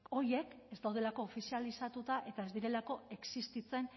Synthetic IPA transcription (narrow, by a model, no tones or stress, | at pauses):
o̞ɾje̞kezd̪awð̞e̞lako̞ːfisialisat̪ut̪aʔe̞t̪ae̞zd̪iɾe̞lako̞e̞ksist̪it͡se̞n